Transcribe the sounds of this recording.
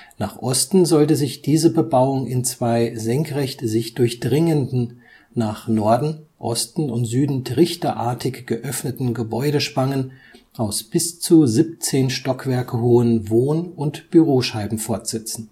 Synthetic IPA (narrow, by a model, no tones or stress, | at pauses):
naːχʔɔstn̩zɔltəzɪçd̥iːzəbəbaʊʊŋʔɪnt͡sv̥aɪzɛŋkʁ̥ɛçtzɪçd̥ʊɐçd̥ʁɪŋəndn̩ | naːχnɔɐdn̩ʔɔ̰stn̩ʊntz̥yːdn̩tʰʁɪçtɐʔa̰ːɐtʰɪçɡ̥əʔœfnətn̩ɡəbɔʏɾəʃpaŋən | ʔaʊsb̥ɪst͡suzip̚t͡seːnʃtɔkv̥ɛɐkəhoːənvoːnʊntb̥yʁoːʃaɪbm̩fɔɐtz̥ɛt͡sn̩